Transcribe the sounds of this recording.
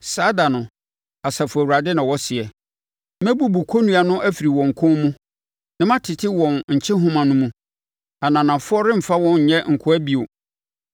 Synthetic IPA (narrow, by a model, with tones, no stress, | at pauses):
saː˦da˨nʊ̃˨ | a˨sa˨fʊ˨æ˨u˨a˨dɪ˦nã˨wɔ˦sɪ˨ɛ˨ | mɛ̃˦bu˨bu˨kʰo˦nũ˦a˨nʊ̃˦ʔæ˦fi˨ɾi˨wɔ̃˨ŋ̩˨kʰʊ̃˦mũ˦ | nã˦mã˦tʰɪ˨tʰɪ˦wɔ̃˨nɲ̩˨t͡ɕʰɪ̃˦ɦʊ̃˦mã˨nʊ̃˦mũ˦ | a˨nã˨nã˨fʊ˦ɔ˦ɾɪ̃˦m̩˨fa˦wɔ̃˦ɲ̩˨ɲɛ̃˦ŋ̩˨kʰʊ˦æ˦bi˦o˨